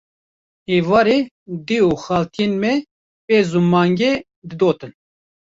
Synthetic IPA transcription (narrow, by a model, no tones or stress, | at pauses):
eːvɑːɾe | d̪euxɑːlt̪ʰijenmɛ | peːzumːɑːŋɡe | d̪ɨd̪oːt̪ɨn